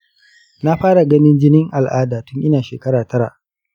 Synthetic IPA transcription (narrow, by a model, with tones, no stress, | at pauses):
na˦ɸaː˦ɽa˨ɡɐ˦nɪ˦nd͡ʒɪ˦nɪ˦ŋʔa˨lʔaː˦daː˨tʊ˦ŋʔɪ˦naː˨ʃeː˨kɐ˦ɽaː˨tɐ˦ɽa̰˨ʔ